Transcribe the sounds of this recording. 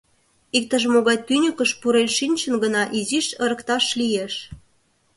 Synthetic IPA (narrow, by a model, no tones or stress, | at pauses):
ik̚t̪əʒmoɣɑjt̪ynʲykəʃpuɾenʃinʲt͡ɕənɡənɑʔiziʃə̆ɾəkt̪ɑʃlijeʃ